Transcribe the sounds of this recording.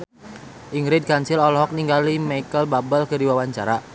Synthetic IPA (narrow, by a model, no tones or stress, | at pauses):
ʔiŋɾɪd̚kaɲsɪlɔlɔɦɔk̚niŋɡalimaikəlbabəlkədiwawaɲt͡ʃaɾa